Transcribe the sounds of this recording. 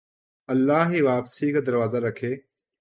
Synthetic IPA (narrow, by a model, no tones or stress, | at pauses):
ɐlːaːɦiːʋaːpsiːkaːd̪əɾʋaːzaɾəkʰeː